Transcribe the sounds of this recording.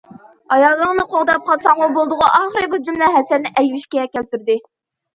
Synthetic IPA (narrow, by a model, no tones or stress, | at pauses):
ɑjɑlˠːəŋnɨqʰoʁd̪ɑp̚qʰɑlˠsɑŋwɑbolˠd̪ʊʁʊʔɑːχəɾɨbud͡ʒymlɛɦɛsɛnːɪʔɛjwɪʃkʲɛɛkʲɛlt̪yɾd̪ɪ